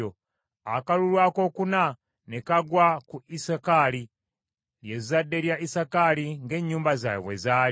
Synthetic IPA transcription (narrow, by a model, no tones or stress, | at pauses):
o | akalulwako̞ːkuna | nekaɡwakuʔisakali | ljezizadːe̞ljaʔisakaliŋɡe̞ːɲːuːmbazaj̰βwḛzaː